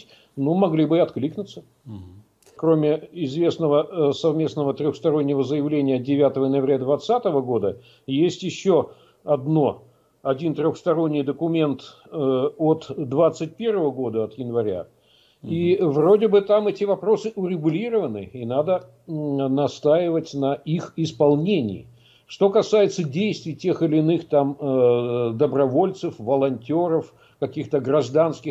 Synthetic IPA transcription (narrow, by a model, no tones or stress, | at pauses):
tʲ | numɐɡlʲibɨɐt̪klʲiknʊt̪sə | kɾomʲɪɪzvʲe̞snəvəsɐvmʲe̞snəvət̪ɾʲoxst̪ɐɾo̞nʲːɪvəzəjɪvlʲenʲɪjəɐt̪̚dʲɪvʲat̪əvənəjɪbɾʲad̪vɐt̪sat̪əvəɡo̞d̪ə | jesʲtʲjɪɕːo̞ | ɐd̪no̞ | ɐdʲint̪ɾʲoxst̪ɐɾo̞nʲːɪjd̪əkʊmʲe̞nt̪ | ot̪d̪vat̪sːɨt̚ʲpʲe̞rvəvəɡo̞d̪əɐt̪jɪnvɐɾʲa̰ | ivro̞dʲɪbɨt̪amɛtʲɪvɐpɾo̞sɨʔʊɾʲɪɡʊlʲiɾəvənɨinad̪ə | nɐst̪ajɪvətʲnɐixɪspɐlˠnʲenʲɪ̰ːɪ | ʂt̪o̞kɐsajɪt̪sədʲejst̪vʲɪjtʲe̞xɪlʲɪːnɨxt̪am | d̪əbɾɐvo̞lʲt̪sɨfvəlˠɐnʲtʲo̞ɾəf | kɐkʲixt̪əɡɾɐʐd̪anskʲɪx